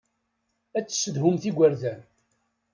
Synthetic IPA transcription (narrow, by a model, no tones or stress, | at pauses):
æt͡sːə̥sːəd̪ɦʊmθiɡʷəɾðæn